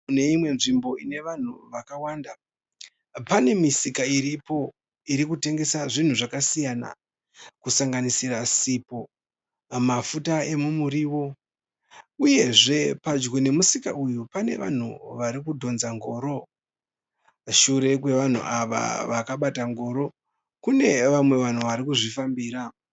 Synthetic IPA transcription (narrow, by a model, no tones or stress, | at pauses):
ne̞imwe̞nʐimbo̞ine̞ʋan̤uʋakawaːnda | pane̞misikaiɾipo̞ | iɾikute̞ŋɡe̞saʐin̤uʐakasijana̰ | kusaŋɡanisirasipo̞ | mafutae̞mumuɾiwo̞ | uje̞ʐe̞pad͡ʒɡone̞musika̰ujupane̞̰ʋa̰n̤uʋaɾikudʱo̞nzaŋɡo̞ːɾo̞ | ʃuɾe̞k̬we̞ʋan̤ṵʔaʋa̰ʋakaɓataŋɡo̞ːɾo̞ | kune̞ʋamwe̞ʋan̤uʋaɾikuʐifambiːɾa